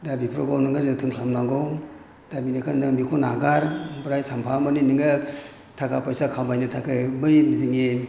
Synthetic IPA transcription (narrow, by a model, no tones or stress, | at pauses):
dabipʰɾɔɡawnɯŋɡazɯtʰɯŋkʰlamnaŋɡɔw | dabinakʰannɯmikʰɔnaɡaɾbɾajsampʰamaniniŋɡɯ | tʰakapajsakʰamajnɯtʰakʰɯbɯjziŋe